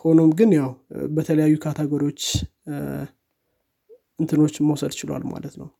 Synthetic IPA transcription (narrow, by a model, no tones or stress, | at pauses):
kʰəonomɡɨnjawbət̪ʰələjajːukʰat̪ʰaɡəɾo̞t͡ʃː | ʔɨnt̪ʰɨno̞t͡ʃːməwsəd̪t͡ʃɪlwa̰lma̰lət̪nə̰w